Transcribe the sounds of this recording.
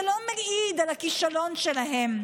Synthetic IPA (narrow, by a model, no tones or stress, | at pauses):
lomaɡʔid̪alakiʃalo̞nʃelaɦem